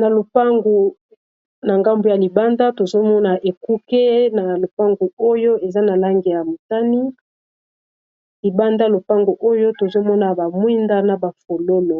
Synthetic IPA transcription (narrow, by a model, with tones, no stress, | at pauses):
na˨lo˨pa˦ŋɡu˨ | na˨ŋɡa˦mbo˨ja˨li˨ba˦nda˦to˨zo˦mɔ˦na˨ʔe˨ku˦ke˦na˨lo˨pa˦ŋɡu˨o˦jo˦e˨za˦na˨la˦ŋɡi˨ja˨mu˨ta˦ni˦ | li˨ba˦nda˦lo˨pa˦ŋɡu˨ʔo˦jo˦to˨zo˦mɔ˦na˨ba˨mwi˦nda˦na˨ba˨fo˨lo˦lo˨